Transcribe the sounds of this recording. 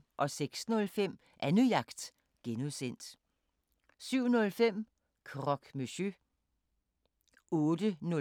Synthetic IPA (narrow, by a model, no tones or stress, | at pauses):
ʔɒ̽seɡ̥snɔ̽lfem̰ | ʔænyjɑ̈ɡ̥d̥ | ɡ̥enusen̰d̥ | syʊ̰nɔ̽lfem̰ | kʰʁɒ̽ɡ̥møɕø | ɔːdənɔ